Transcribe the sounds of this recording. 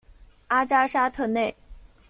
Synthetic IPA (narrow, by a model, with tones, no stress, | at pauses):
a˥ʈ͡ʂa˥ʂa˥t̪ʰɤ˥˧ne˥˩ɪ